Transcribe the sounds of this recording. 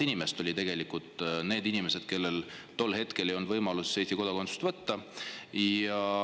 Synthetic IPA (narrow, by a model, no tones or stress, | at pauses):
inimest̪o̞lʲit̪e̞ɡe̞likˑult̪ˑne̞ːd̪̥inime̞se̞d̪̥ke̞lːe̞lt̪o̞lːɦe̞t̪kelejo̞nd̪vɤjmɑlusːejst̪iko̞d̪ɑkosu̥st̪vɤt̪ːɑ | ɑ